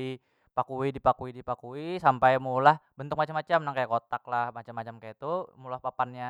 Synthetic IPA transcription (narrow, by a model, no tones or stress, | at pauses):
i | pakuidipakuidipakuisampajmulahbənt̪ʊk̚mat͡ʃamat͡ʃamnaŋkajakot̪aklahmat͡ʃamːat͡ʃamkajat̪umulahpapanɲa